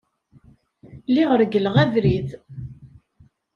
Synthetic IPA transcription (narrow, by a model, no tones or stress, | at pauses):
liʁəɾɡəlʁæðɾiθ